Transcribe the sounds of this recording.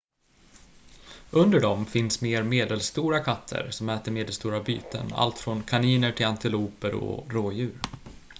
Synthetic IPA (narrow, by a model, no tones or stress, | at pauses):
ɵnd̪əɖɔmfɪnsmeːɾmeːd̪əlst̪uːɾakʰat̪ʰːə̰ɾsɔmɛːt̪əɾmeːd̪əlst̪uːɾaby̰ːt̪ʰə̰na̰lt̪fɾɔnkʰaniːnəʈʰɪlant̪ɪluːpəɾɔ̰ɾoːjʉ̟ːɾ